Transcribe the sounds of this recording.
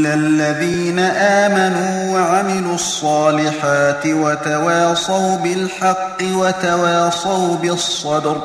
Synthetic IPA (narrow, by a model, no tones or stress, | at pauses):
lɪalːaðiːnaʔaːmanuːwaʕamɪluːɑsˤːɑːlɪħaːt̪ɪwat̪awɑːsˤawbɪlħɑqːɪwat̪awɑːsˤɑwbɪsˤːɑd̪ɾ